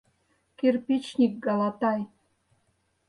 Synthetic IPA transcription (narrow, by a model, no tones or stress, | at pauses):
kerpʲit͡ɕnʲik̚ɡɑlɑt̪ɑj